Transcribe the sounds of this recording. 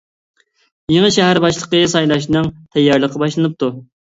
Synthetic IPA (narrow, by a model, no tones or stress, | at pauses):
jeŋəʃæɦæɾbɑʃlˠəqəsɑjlˠɑʃ̬nɨŋt̪ʰɛjːɑɾlˠəqʰəbɑʃlˠɨnɨp̚t̪ʰu